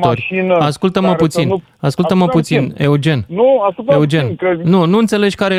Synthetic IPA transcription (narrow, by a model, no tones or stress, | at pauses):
t̪oɾʲiaskult̪əməput̪sin | askult̪əməput̪sineud͡ʒe̞nnuaueud͡ʒe̞nnunuɨnt̪se̞le̞d͡ʒʲkaɾe